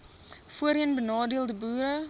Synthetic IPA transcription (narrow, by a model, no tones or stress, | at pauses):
fuəɾiənbənɑːdiəlˠdəbuːɾə